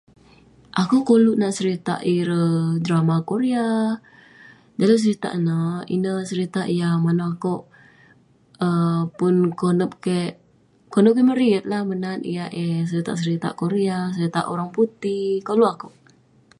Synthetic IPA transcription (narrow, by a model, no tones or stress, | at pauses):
ʔakuʔkoluʔnaʔsəɾit̪a̰ʔiɾədɾamakoɾia | d͡ʒalas̬əɾit̪a̰ʔnaḭnəsəɾit̪aʔijamanaakoʔ | əpʊnkonəp̚kɛʔ | konəp̚kɛməɾiət̪̚lahmənanḭjaʔesəɾit̪a̰ʔsəɾit̪a̰ʔkoɾias̬əɾit̪a̰ʔoɾaŋput̪ikoluakuʔ